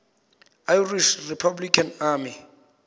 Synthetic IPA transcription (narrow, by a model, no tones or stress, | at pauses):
ajriʃripʰablikʰʼanaːmi